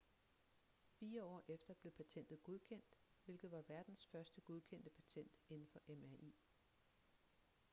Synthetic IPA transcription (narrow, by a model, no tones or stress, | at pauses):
fiːɐɒ̰ːʔefd̥ɐb̥le̝pʰæt͡sʰen̰d̥ð̩ˠɡ̥oð̞ˠkʰen̰d̥ | ʋe̝lɡ̥ð̞̩ˠʋɑ̈ʋæɐd̥n̩sfɶɐsd̥əɡ̥oðˠkʰen̰d̥əpʰæ̥t͡sʰen̰d̥e̝nn̩fɒ̽ʔemæʔḭː